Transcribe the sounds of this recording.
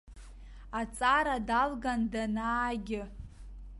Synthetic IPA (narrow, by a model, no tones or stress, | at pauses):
at͡sʼaɾadalɡandanaːɡʲɪ